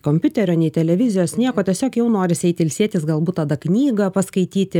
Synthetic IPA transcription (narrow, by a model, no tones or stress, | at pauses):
koːmʲpʲʊt̪ʲɛɾʲoːnʲɛɪt̪ʲɛlʲɛʋʲɪzʲɪjoːsnʲiɛkoːt̪ʲiɛsʲoːkjɛʊnoːɾʲɪsʲɛɪt̪ɪɪlʲsʲiɛt̪ʲɪsɡɐlˠbuːt̪t̪ɑd̪ɐknʲiːɡɐpɐskɐɪt̪ʲiːt̪ʲɪ